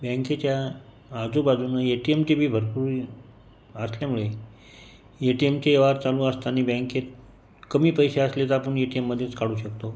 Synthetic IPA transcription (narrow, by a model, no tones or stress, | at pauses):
bɛ̃ŋket͡ɕjaː | d͡zubad͡zunəeʈiemt͡ɕibʱiːbʱəɾpuɾi | əsljamuɭe | eʈiemt͡ɕeeʋaɾt͡salũːəst̪aːñiːbɛ̃ŋket̪̚ | kəmiːpəjɕeəslet̪apəɳeʈiemːəd̪ʱːjet͡skaɽuːɕəkt̪o